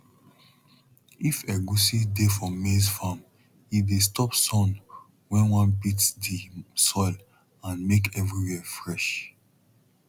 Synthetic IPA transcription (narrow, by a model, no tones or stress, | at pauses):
ifɛɡusidefɔmesfam | idestɔpsɔ̃n | wɛ̃nwɔ̃npitsdisɔɪl | ãnmekʰɛvɹiwɛfɹɛʃ